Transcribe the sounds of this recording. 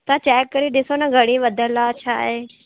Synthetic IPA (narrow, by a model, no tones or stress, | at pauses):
t̪at͡ʃɛːkːəɾiɗɪsonɐɡʱɐɽ̃ĩʋɐd̪ʱəlat͡ʃʰa̰ːɦeː